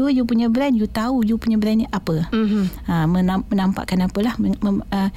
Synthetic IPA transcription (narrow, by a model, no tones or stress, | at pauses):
uəjupuɲabəɾanjut̪aujupuɲə̃bəɾanʔapə | amənamənampa̰ʔkanapəlahəə